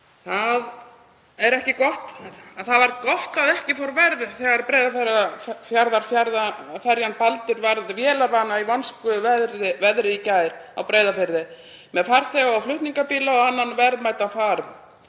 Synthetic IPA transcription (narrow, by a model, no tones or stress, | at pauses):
θað | ɛɾɛhcɪkɔht̪aðθaðvaɾkɔht̪aðɛhcɪfoɾvɛɾðɪθɛɣaɾpɾejðafɛɾːafjaɾðaɾ̥fjaɾðafɛɾjanpalt̪ʏɾvaɾðvjɛːlaɾvaːnaivɔnskʏvɛðɾɪvɛðɾɪicaːjɾ̥awpɾeːjðafɪɾðɪ | mɛðfaɾ̥θɛɣaawflʏht̪niŋkapiːlaɔanːanvɛɾðmaːjt̪anfaːɾ